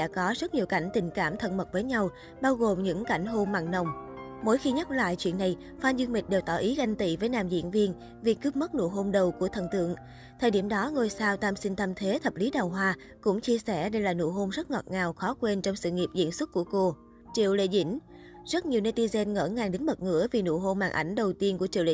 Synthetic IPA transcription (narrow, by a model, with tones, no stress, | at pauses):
ɗa̰˧˥kɔ˨˦zə˦˥t̚ɲi˨˩əwka˧˩jŋ̟t̪ï˨˩ŋ̟kaː˧˩mt̪ʰə̰˧˩nmə˨˩t̚vəː˨˦jɲa˧w | ɓaː˧wɣo˨˩mɲɨ̰˧˥ŋka˧˩jŋ̟ɦo˧mma̰ː˧˨ŋnə˨˩wŋ͡mmo˨˦jxi˧ɲə˦˥t̚la̰ː˧˨jt͡ɕwḭ˧˨ənːa˨˩j | faː˧nzɨ˧əŋmï˨˩k̟̚ɗe˨˩wt̪ɔ˧˩ʔi˨˦ɣa˧jŋ̟t̪ḭ˧˨vəː˨˦jnaː˨˩mzḭ˧˨ənvi˧ən | vi˨˩kːɨ˦˥p̚mə˦˥t̚nṵ˧˩ɦo˧mɗə˨˩wku˧˩ət̪ʰə̰˨˩nt̪ɨ̰˧˨əŋ | t̪ʰəː˨˩jɗi˧˩əmɗɔ˨˦ŋo˧jsaː˧wt̪aː˧msï˧n̟t̪ʰaː˧mt̪ʰe˨˦t̪ʰə˨˩p̚li˨˦ɗa˨˩wɦwaː˧ | kʊ̰˧˥ŋ͡mt͡ɕi˧əsɛ˧˩ɗə˧jlaː˨˩nṵ˧ɦo˧mzə˦˥t̚ŋɔ˨˩t̚ŋaː˨˩wxɔ˨˦kwe˧nt͡ɕɔ˧wŋ͡msɨ̰˧˨ŋi˨˩p̚zḭ˧˨ənswə˦˥t̚kːu˧˩əko˧ | t͡ɕḭ˧˨əwlḛ˧˨zḭ˧˥ŋ̟ | zə˦˥t̚ɲi˨˩əwne˧t̪i˧zɛ˧nŋə̰ː˧˩ŋaː˨˩ŋɗe˨˦nɓə˨˩t̚ŋɨ̰˧˥əvi˨˩nṵ˧˨ɦo˧mhaː˧˩ŋʔa˧˩jŋ̟ɗə˨˩wt̪i˧ənku˧˩ət͡ɕḭ˧˨wli˧˨